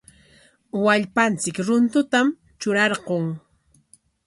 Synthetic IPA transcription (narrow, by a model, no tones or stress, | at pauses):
waʎpant͡sɪkɾʊnt̪ʊt̪am | t͡ʃʊɾɑɾɢoŋ